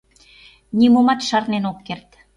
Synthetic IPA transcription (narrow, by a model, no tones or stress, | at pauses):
nʲimomɑt̪ʃɑrnenokːert̪